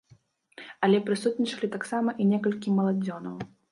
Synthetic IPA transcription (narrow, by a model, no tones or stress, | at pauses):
ɐlʲɛpɾɨsut̪̚nʲit͡ʂɐlʲit̪aksamɐʔinʲɛkɐlʲkʲimɐlˠad͡zʲɔnɐ̰w